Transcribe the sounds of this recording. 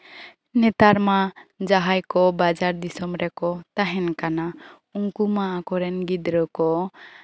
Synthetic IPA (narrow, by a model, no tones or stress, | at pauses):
nɛt̪aɾmad͡ʒaɦajkɔbad͡ʒaɾd̪isɔmɾɛkɔt̪aɦɛnkana | uŋkumaʔakɔɾɛnɡid̪ɾəkɔ